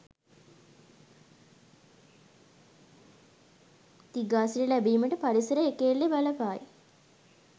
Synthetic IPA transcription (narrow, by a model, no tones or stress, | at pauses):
t̪iɡaːsiləlæbiːməʈəpaɾisəɾəekelːebaləpaːj